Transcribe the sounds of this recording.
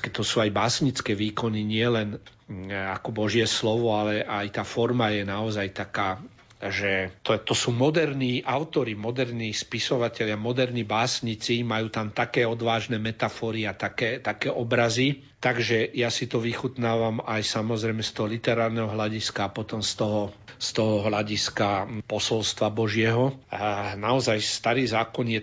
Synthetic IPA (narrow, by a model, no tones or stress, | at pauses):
kɛt̪ɔsuːajbaːsɲit͡skɛːʋiːkɔniɲɪɛlɛn | akɔbɔʒɪjɛslɔʋɔalɛʔajt̪aːfɔɾmajɛnaɔzajt̪akaː | ʒɛt̪ɔt̪ɔsuːmɔd̪ɛɾniːʔaʊt̪ɔɾimɔd̪ɛɾniːspisɔʋacɛʎɪamɔd̪ɛɾnibaːsɲit͡simajuːt̪amt̪akɛːɔd̪ʋaːʒnɛmɛt̪afɔːɾiat̪akɛːt̪akɛːʔɔbɾazi | t̪aɡʒɛjasit̪ɔʋixut̪naːʋamajsamɔzɾɛjmɛst̪ɔɦɔlit̪ɛɾaːɾnɛɦɔɦlaɟiskaːpɔt̪ɔmst̪ɔɦɔst̪ɔɦɔɦlaɟiskapɔsɔlst̪ʋabɔʒɪɛɦɔ | naɔzajst̪aɾiːzaːkɔnjɛ